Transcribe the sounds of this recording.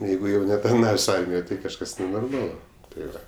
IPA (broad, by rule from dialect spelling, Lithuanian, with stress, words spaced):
ˈjɛɪɡʊ jɛʊ nʲɛtɐrˈnɑːʋʲeːsʲ ˈɐrʲmʲɪjoːj tɐɪ kɐʃˈkɐs nʲɛnoːrˈmɑːlˠʊ tɐɪ ˈʋɐ